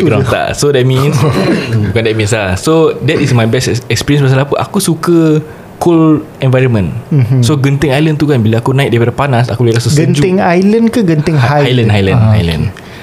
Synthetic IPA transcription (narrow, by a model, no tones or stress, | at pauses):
ɾãt̪a̰sodɛt̚mĩnsbukandɛt̚mĩnslasodɛtismajbɛsɛkspiɾiənsmas̬alapəʔakusukə | kul | ɛ̃nvajɾənmə̃nsoɡənt̪ɪŋajlənt̪uɡanbilaakunãɪʔ̚dajpaɾəpanasa̰kubəlilasəɡsənd͡ʒuɪŋajlənkaɡənt̪ɪŋaajlə̃nnɦajlãnajlə̰̃n